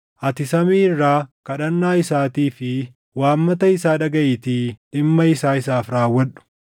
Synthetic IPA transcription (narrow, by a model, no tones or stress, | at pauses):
ʔɐt̪ɪsɐmiːrːaːkɐɗɐnːaːɪsaːt̪iːfɪ | waːmːɐt̪ɐɪsaːᶑɐɡɐʔɪt̪iᶑɪmːɐɪsaːɪsaːfɾaːwːɐᶑʊ̥